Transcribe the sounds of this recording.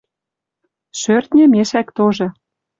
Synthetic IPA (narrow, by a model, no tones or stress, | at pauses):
ʃørt̪nʲĕmeʃækt̪oʒĕ